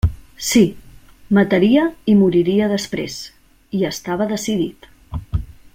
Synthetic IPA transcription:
si | mət̪əɾiəimuɾiɾiəðəspɾḛz | iəst̪aβ̞əðəsiðit̪

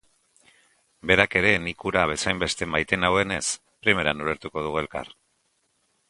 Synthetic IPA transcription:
be̞ɾake̞ɾe̞nikuɾaβe̞sajmbe̞st̪e̞majt̪e̞nawe̞ne̞s | pɾime̞ɾanuɾeɾt̪uko̞ð̞uɣue̞lka̰r

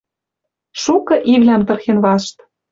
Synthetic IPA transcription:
ʃukɤ̆ʔiβlʲæmt̪ɤ̆rxenβɑʃt̪

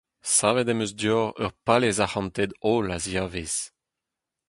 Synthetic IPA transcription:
saːved̪ɛmøzd̪jɔʁœ̰ʁpalezahɑ̃nt̪ɛd̪ɔlazjaːvez

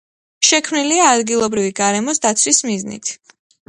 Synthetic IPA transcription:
ʃɛkʰmniliaːd̪ɡilˠɔbɾiviɡaɾɛmɔsd̪at̪sʰwismiznḭt̪ʰ

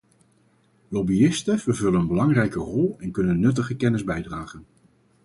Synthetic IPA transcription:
lɔbiɪstəvəɹvɵlənənbəlɑŋrɛjkərɔlˠɛnkɵnənːɵt̬əχəkɛnɪzbɛjdraːχən

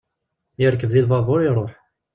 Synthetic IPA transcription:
jəɾkəvðilvˤɑvˤʊɾiɾˤoħ

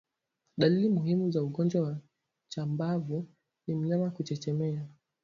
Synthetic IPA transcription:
ɗalilimuhimuzauɠɔnd͡ʒwawa | t͡ʃambavu | nim̩ɲamakut͡ʃɛt͡ʃɛmɛa

